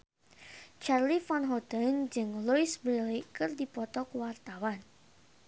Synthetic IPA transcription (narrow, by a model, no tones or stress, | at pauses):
t͡ʃarlifɔnɦɔt̪ənd͡ʒɨŋluisbɾelikɨrdipɔt̪ɔkwart̪awan